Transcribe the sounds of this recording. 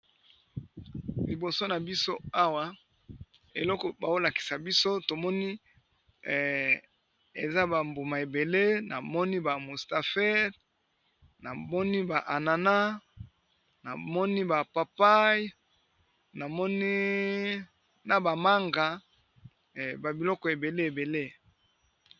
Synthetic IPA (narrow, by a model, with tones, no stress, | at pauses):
li˨bo˨so˦na˨bi˦so˦a˦wa˦ | e˨lɔ˦kɔ˨ba˨o˦la˨ki̥˨sa˨bi˦so˦to˨mɔ˦ni˦ | ḛ˨za˦ba˨mbu˨ma˨e˨be˨le˦na̰˨mɔ˦ni˦ba˨mu˨sta˨fɛ˦ʁ | na˨mɔ˦ni˦ba˨ʔa˨na˨na˦ | na˨mɔ˦ni˦ba˨pa˨pa˦j | na˨mɔ˦ni˦ | na˨ba˨ma˦ŋɡa˨ | ba˨bi˨lɔ˦kɔ˨e˨be˨le˦e˨be˨le˦